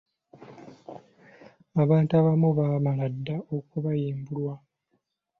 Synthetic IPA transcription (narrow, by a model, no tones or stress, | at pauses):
aβaːntuaβamuβaːmaladːaokuβajiːmbulwa